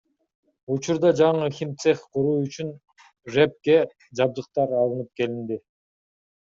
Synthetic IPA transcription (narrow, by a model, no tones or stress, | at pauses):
ut͡ʃuɾd̪ɑd͡ʒɑɴɯxʲimt̪seχqʰuɾuːyt͡ʃyn | ʒep̚ke̞ | d͡ʒɑb̚d̪ɯq̚t̪ɑɾɑlˠɯnɯp̚ke̞lind̪i